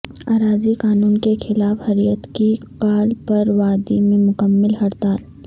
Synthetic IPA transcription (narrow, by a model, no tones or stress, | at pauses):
aːɾaːzikaːnuːnkexʰɪlaːfhɐɾijət̪ki | kaːlpɐɾʋaːd̪imẽmʊkəmːɪlɦɐɾt̪aːl